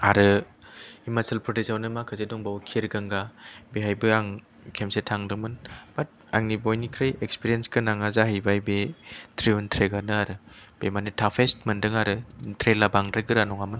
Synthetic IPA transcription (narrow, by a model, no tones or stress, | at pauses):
aɾɯ | imasɯlpʰɾɔtesawnɯmakʰazedɔŋbawkʰiɾɡɯŋɡabeɦajbɯaŋ | kʰemsetʰaŋdɯmɯnb̥at̚a̰ŋnibojnikʰɾɯjekspiɾijenskɯnaŋazaɦɯjbajbetʰɾiuntʰɾeɡanɯaɾɯb̥emanitʰapʰestmɯndɯŋaɾɯtʰɾelabaŋɾɯɡɯɾanɔŋamɯn